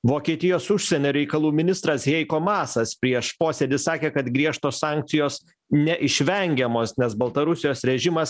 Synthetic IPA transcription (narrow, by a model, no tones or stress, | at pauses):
ʋoːkʲiɛt̪ʲɪjoːsʊʃʲsʲɛnʲoːɾʲɛɪkɐlˠuːmʲɪnʲɪst̪ɾɐsjʲɛɪkoːmɑːsɐspʲɾʲiɛʃpoːsʲɛd̪ʲɪsɑːkʲeːkɐt̪ɡɾʲiɛʃt̪oːsɑˑːŋʲk̚t̪sʲɪjoːs | nʲɛʔɪʃʲʋʲɛŋʲɡʲɛmoːsnʲɛsbɐlˠt̪ɐɾʊsʲɪjoːsɾʲɛʒʲɪmɐs